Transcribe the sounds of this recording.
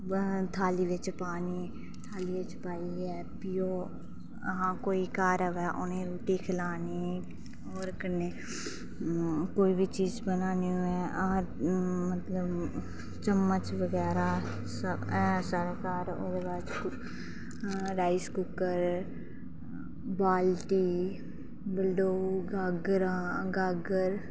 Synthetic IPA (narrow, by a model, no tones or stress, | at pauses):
t̪ʰaːliʋet͡ʃpaːni | t̪ʰaːliet͡ʃpaːiɦɛ | pijo | ɐɦãkoːikaːɾəʋɛʔʊnɦẽɾuːʈikʰɪlaːni | ɔːɾkəne | koːibʱit͡ʃiːzbənaːniɛ̃ | mət̪ləb | t͡ʃəmːət͡ʃʋəɡɛːɾa | səɦɛːsaːɾekaːɾod̪baːd͡ʒk | ɾaːɪskʊkəɾ | baːlʈiː | bɪlɖoːɡaːɡɾãɡaːɡəɾ